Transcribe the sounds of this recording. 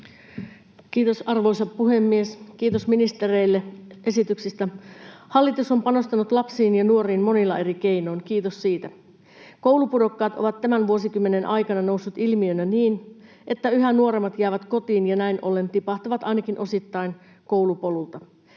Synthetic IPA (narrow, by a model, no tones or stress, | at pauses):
kiːt̪o̞sɑrʋo̞isɑppuɦemːieskiːt̪osminist̪erejlːeʔe̞sit̪yksist̪æhɑlːit̪uso̞mpɑno̞st̪ɑnut̪lɑpsiːnjɑnuoɾiːnmo̞nilːɑʔe̞ɾike̞ino̞inkiːt̪ossiːt̪æ | ko̞wlupudo̞kːɑːt̪o̞̰ʋɑt̪ːæmænʋuo̞sikymːe̞nenʔɑjkɑnɑno̞usːut̪ilmiønæniːn | ʔe̞t̪ːæyɦænuoɾemːɑt̪jæːʋæt̪ko̞t̪iːnjɑnæinʔo̞lːe̞nt̪ipɑht̪ɑʋɑt̪ɑinɑkinʔo̞sit̪ːɑin | ko̞wlupo̞lult̪ɑ